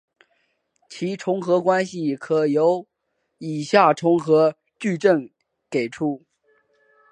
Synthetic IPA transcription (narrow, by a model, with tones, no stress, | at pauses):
t͡ɕʰi˧˥ʈ͡ʂʰʊ˧˥ŋxɤ˧˥kwa˥nɕi˧˨kʰɤ˨˩jo˧˥ʊ | i˨˩ɕja˥˩ʈ͡ʂʰʊ˧˥ŋxɤ˧˥ | t͡ɕy˥˧ʈ͡ʂə˥˩ŋ | ke˨˩ɪʈ͡ʂʰu˥˩